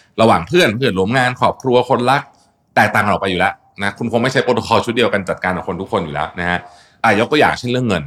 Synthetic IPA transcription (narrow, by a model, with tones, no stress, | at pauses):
ɾa˧waː˨˩ŋpʰɯ˥˩ənpʰɯ˨˩t̪ɾu˦əmŋaː˧nkʰɔː˨˩p̚kʰɾu˧ɐkʰo˧nla˦˥k̚ | t̪ɛː˨˩k̚t̪aː˨˩ŋa˧nɔ˨˩pa˧jːuː˨˩lɛ˦˥ | na˦˥kʰu˧nkʰo˧ŋma˥˩jt͡ɕa˦˥jpoː˧t̪o˧kʰɔː˧t͡ɕʰu˦˥t̪̚di˧ə˧wka˧nt͡ɕa˨˩kaː˧nʔɔː˨˩kʰo˧nt̪u˦˥kʰːo˧njuː˨˩lɛː˦˥wna˦˥kʰa˦˥ | t̪ɛː˨˩jo˦˥k̚t̪ːjaː˨˩k̚t͡ɕʰe˥˩nɾɯ˥˩əŋːɤ˧n